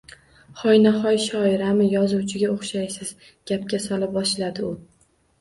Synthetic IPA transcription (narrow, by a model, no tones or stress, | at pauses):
χɒjnaχɒjʃɒɪɾamɪjɒzuwt͡ʃʰɪɡʲaoχʃajsɪz̥ | ɡʲap̚kʲasɒlɪp̚bɒʃlad̪ɪʊ